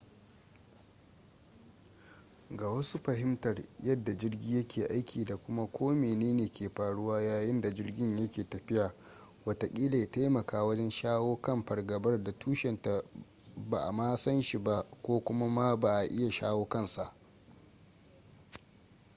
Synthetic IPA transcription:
ɡaː˨wɐ˦su˦ɸɐ˨ɦɪ˦mtɐ˨rjɐ˦dːa˨d͡ʒɪ˦rɡʲiː˦jɐ˦kʲʰeː˨ʔa˦jkʲʰiː˨da˨kʷʊ˦ma˦kʷʰoː˦meː˨neː˦neː˨kʲʰeː˨ɸaː˨ɽʊ˦waː˦jaː˨jɪ˦nda˨d͡ʒɪ˦rɡʲɪ˦ɲjɐ˦kʲeː˨tɐ˨ɸɪ˦ja˨ | wɐ˦ta˨kʲʼiː˦le˨jta˦jmɐ˨kaː˨wɐ˦d͡ʒɛ˦nʃaː˦woː˦kɐ˦mɸɐ˨rɡɐ˨bɐ˦rda˨tʰuː˦ʃɛ˨nta˨ | ba˨ʔa˨maː˦sɐ˦nʃi˨ba˦kʷoː˦kʷʊ˦ma˦ma˦ba˨ʔa˨ʔɪ˦ja˨ʃa̰ː˦woː˦kɐ˦˨nsa˦˨ʔ

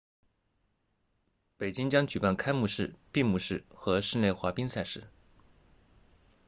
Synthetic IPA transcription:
pe˨˩ɪt͡ɕi˥ŋt͡ɕjɑ˥ŋt͡ɕy˨˩pa˥˩nkʰa˥ɪmu˥˧ʂɻ̩˥˩pi˥˧ŋmu˥˧ʂɻ̩˥˩xɤ˧˥ʂɻ̩˥˧le˥˩ɪxwa˧˥pi˥ŋsa˥˧ɪʂɻ̩˥˩

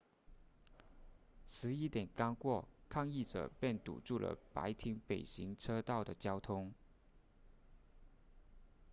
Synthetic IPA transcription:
sʰɹɻ̩˧˥i˥t̪jɛ˨˩nkɑ˥ŋkwɔ˥˩kʰɑ˥˧ŋi˥˩ʈ͡ʂɤ̰˨˩pjɛ˥˩nt̪ṵ˨˩ʈ͡ʂu˥˩lə̰˩pa̰˧˥ɪt̪ʰi˧˥ŋpe˨˩ɪɕi˧˥ŋʈ͡ʂʰɤ˥t̪ɑ˥˩ʊd̪ə˩t͡ɕjɑ˥ʊt̪ʰʊ˥ŋ

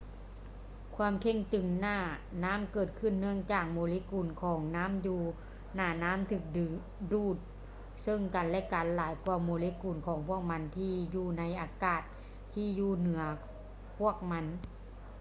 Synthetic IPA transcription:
kʰwaː˧˥˨mkʰe˧˩ŋt̪ɯ˨˩ŋnaː˧˥˩naː˦˥˨mkɤː˨˩t̪̚kʰɯ˧˩nːɯ˧˩əŋt͡ɕaː˨˩k̚mo˨˧˦li˧˥kuː˨˩nkʰɔː˩˦ŋnaː˦˥˨mjuː˧˩ | naː˧˩naː˦˥˨mt̪ʰɯː˧˩k̚ | duː˧˩t̪̚ | sɤ˧˩ŋka˨˩nlɛ˧˥˨ka˨nlaː˨˦jkwaː˧˩moː˨˧˦li˧˦kuː˨˩nkʰɔː˨˦ŋpʰu˥˩ək̚ma˧˥nt̪ʰiː˧˩juː˧˩na˧˥jʔaː˨˧˩kaː˨˩t̪̚ʰː | iː˧˩juː˧˩nɯ˨˩˦ɐ | pʰu˥˩ək̚ma˧˥n

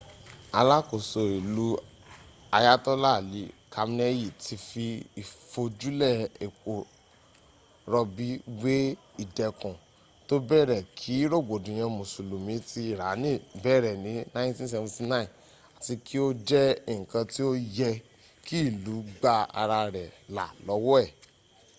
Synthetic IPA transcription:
a˧la˦ko˨so˧i˨lu˨˦ | a˧ja˦tɔ˦la˦˨li˨˦kʰa˧m˧nɛ˦ji˦˨tʰi˧fi˧i˨fo˧d͡ʒu˦lɛ˦˨e˨ko˨ | ɾɔ˧bi˨˦we˦ | i˦˨dɛ˨kũ˨ | to˦bɛ˦˨ɾɛ˨kʰi˨˦ɾo˦˨ɡ͡bo˨dũ˨j̃ã˧mũ˨su˨lo˨mĩ˨˦ti˧˦˨ɾa˨˦nĩ˦˨bɛ˦˨ɾɛ˨nĩ˨˦nã˦ntĩ˦s̬ɛ˧vã˨˧ti˧nã˦˨ĩ˨ | a˨ti˧kʰi˦o˦d͡ʒɛ˦i˦˨ŋ̩˨kã˧ti˦o˦jɛ˧ | ki˦i˦˨lu˨˦ɡ͡ba˦a̰˧ɾa˧ɾɛ˨la̰˨lɔ˨˦wɔ˦ɛ˦˨

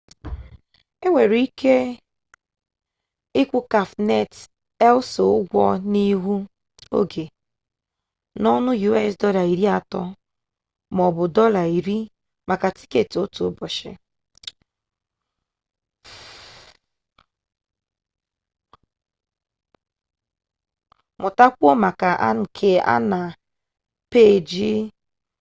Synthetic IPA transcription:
e˦ŋʷe˨ɾi˦kʰe˦ | ɪ˦kʷu˦ka˨fne˦t | ɛ˦lʊ˦so˨ʊ˦ɡʷɔ˦ni˦ɦu˦ | o̰˦ɡe˨ | nɔ˦nʊ˦ju˦ɛ˦˨sdɔ˦la˨i˨ɾi˦a˨tɔ˦ | m˨ɔ˨bʊ˨dɔ˦la˨i˨ɾi˦ | mʔa˨ka˨ti̥˦ke˦˨to˦to˨˦bɔ˨ʃɪ̰˨ | mʊ˨ta˦kʷo˦ma˨ka˨ʔa̰˦n̩˨kʰe˨a̰˦na˨ | pe˦˨d͡ʒi˦

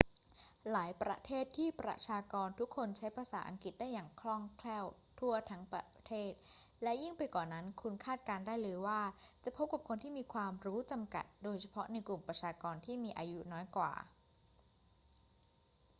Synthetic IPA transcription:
laː˩˦jpɾa̰˧˥t̪ʰeː˥˩t̪ʰːiː˥˩pɾa̰˧t͡ɕʰaː˧kɔː˧nt̪ʰu˦˥kʰːo˧nt͡ɕʰa˦˥jpʰaː˧saː˩˦ʔa˧ŋki˨˩t̪̚daː˥˩jːaː˨˩ŋkʰlɔ˥˩ŋkʰlɛː˥˩wt̪ʰu˥˩ɐt̪ʰa˦˥ŋpɾa˧t̪ʰeː˥˩t̪̚ | lɛ˦˥ji˥˩ŋpa˧jkɔː˨˩na˦˥nkʰu˧nkʰaː˥˩t̪̚kaː˧ndaː˥˩jlɤː˧jwaː˥˩t͡ɕa˨˩pʰo˦˥p̚ka˨˩p̚kʰo˧nt̪ʰiː˥˩miː˧kʰwaː˧mɾuː˦˥t͡ɕa˧mka̰˨˩t̪̚doː˧jt͡ɕʰa˧pʰɔ˦˥na˧jklu˨˩mpɾa˧t͡ɕʰaː˧kɔː˧nt̪ʰiː˥˩miː˧ʔaː˧ju˦˥nɔː˦˥jkwa̰ː˨˩

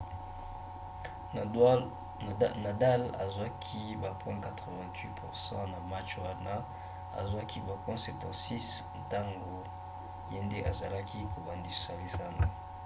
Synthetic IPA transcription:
na˨da˦la̰˨za˦kʰi˦ba˨pwɛ̃˦ka˨tʁə˨vɛ̃˨tʰwi˦pʰu˨ʁsɑ̰̃˦na˨ma˦t͡ʃwa˦na˦ | a̰˨zwa˦ki˦ba˨pwɛ̃˦sɛ˨tɔ̃˨si˦snta˦ŋɡo˨ | je˦nde˦ʔa˨za˨la˦kʰi˦ko˨ba˨ndi˨sa˨li˦sa˦na˨

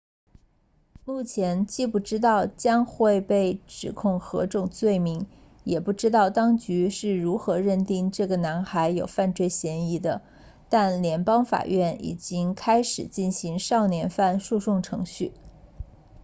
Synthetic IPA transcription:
mu˥˩t͡ɕʰjɛ˧˥nt͡ɕi˥˧pu˥˩ʈ͡ʂɻ̩˥t̪̬ɑ˥˩ʊt͡ɕjɑ˥ŋxwe˥˧ɪpe˥˩ɪʈ͡ʂɻ̩˨˩kʰʊ˥˩ŋxɤ̰˧˥ʈ͡ʂʊ˥˩ŋt͡swe˥˩ɪmi˧˥ŋ | jɛ˨˩pu˥˩ʈ͡ʂɻ̩˥t̪ɑ˥˩ʊt̪ɑ˥ŋt͡ɕy˧˥ʂɻ̩˥˩ɻu˧˥xɤ˧˥ɻə˥˧nt̪i˥˧ŋʈ͡ʂɤ˥˩ɡə˩na˧˥nxa˧˥ɪjo˨˩ʊfa˥˧nt͡swe˥˩ɪɕjɛ˧˥ni˧˥d̪ə˧ | t̪a˥˩nljɛ˧˥npɑ˥ŋfa̰˨˩ɥɛ˥˩nḭ˨˩t͡ɕi˥ŋkʰa˥ɪʂɻ̩˨˩t͡ɕi˥˩nɕi˧˥ŋʂɑ˥˩ʊnjɛ˧˥nfa˥˧nʂu˥˧ʂʊ˥˩ŋʈ͡ʂʰɤ̰˧˥ŋɕy˥˩

